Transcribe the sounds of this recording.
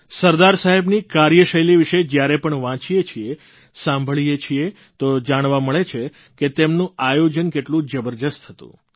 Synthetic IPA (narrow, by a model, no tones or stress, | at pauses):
səɾd̪aɾsaɦebnikaɾjəʃəjliʋiʃed͡ʒjaɾepəɳʋãt͡ʃijet͡ʃʰie | sãmbʱəɭijet͡ʃʰie | t̪od͡ʒaɽ̃ʋaməɭet͡ʃʰe | ket̪emnũajod͡ʒənkeʈlũd͡ʒəbəɾd̪əst̪ɦət̪ṵ̃